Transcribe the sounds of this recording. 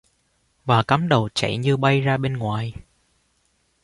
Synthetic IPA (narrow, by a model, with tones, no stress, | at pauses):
vaː˨˩kaː˨˦mɗə˨˩wt͡ɕa̰˧˩jɲɨ˧ɓa˧jzaː˧ɓe˧nŋwaː˨˩j